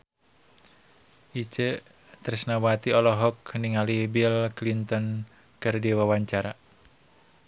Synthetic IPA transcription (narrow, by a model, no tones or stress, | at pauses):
ʔit͡ʃə | t̪əɾisnawat̪iɔlɔɦɔkniŋalibilklint̪ɔn | kɨrdiwawaɲt͡ʃaɾa